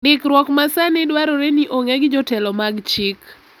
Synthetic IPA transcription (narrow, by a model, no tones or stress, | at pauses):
dɪkɾwɔkmasanɪdwaɾoɾeniʔoŋɛɡɪd͡ʒɔtɛlɔmaɡt͡ʃɪk